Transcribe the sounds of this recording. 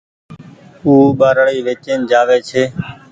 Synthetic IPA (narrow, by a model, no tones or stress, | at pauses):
uːɓaːɾɽiːʋeːt͡ʃeːnd͡ʒaːʋeːt͡ʃʰeː